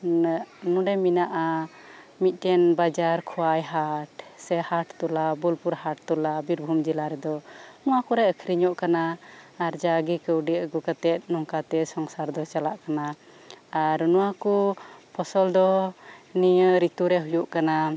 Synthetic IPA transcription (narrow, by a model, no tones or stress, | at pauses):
nũɖɛminaʔa | mit̪̚ˀtɛnbad͡ʒaɾkʰɔwajɦaʈsɛhaʈt̪ɔlabulpuɾhaʈ̚t̪ɔlabiɾbʱumd͡ʒilaɾɛd̪ɔnɔwakuɾɛəkʰɾiɲɔʔkanaːɾd͡ʒaɡikəwɖiəɡukat̪ɛt̪̚ˀnɔŋkat̪ɛsɔŋsaɾd̪ɔt͡ʃalaʔkana | aɾnɔwakupʰɔsɔld̪ɔniəɾit̪uɾɛɦujuʔkana